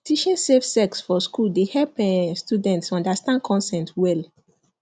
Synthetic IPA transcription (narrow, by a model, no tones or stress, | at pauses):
tiʃɔ̃nsefsɛksfɔskuldehɛlpɛ̃studɛ̃ntsɔ̃ndastãndkʰɔ̃nsɛ̃ntwɛl